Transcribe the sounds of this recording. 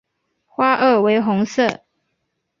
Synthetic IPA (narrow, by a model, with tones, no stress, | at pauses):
xwa˥ʔə˥˩we˧˥ɪxʊ˧˥ŋsɤ˥˩